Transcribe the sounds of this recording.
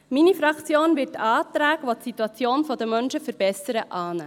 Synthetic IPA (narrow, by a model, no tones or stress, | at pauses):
minifɾɑkt͡sjoːnʋɪːtɑːt̪ɾæːɡ̥əʋɔtsit̪uɑt͡sjoːnfɔd̪əmœnʃəfəɾb̥ɛsəɾəʔɑːnæ̰